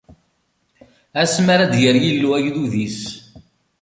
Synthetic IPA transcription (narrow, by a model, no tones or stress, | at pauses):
æsmaɾæd̪jəɾjilːuæʝluðis